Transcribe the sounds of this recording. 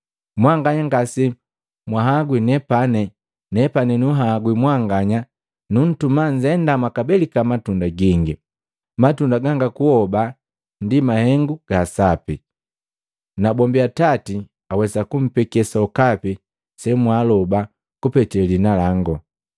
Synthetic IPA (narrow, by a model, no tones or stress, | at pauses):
mwaŋɡaɲaŋɡasi | mwaɦaɡwinɛpanɛ | nɛpanɛnuɦaɡwimwaŋɡaɲa | nun̩tumaɲzɛndamwakabɛlikamatundaɡiŋɡi | matundaɡaŋɡakuhɔba | ndimahɛŋɡuɡ̥asapi | nabɔmbiatati | awɛsakum̩pɛkɛsaukapi | sɛmwalɔba | kupɛtɛlinalaŋɡɔ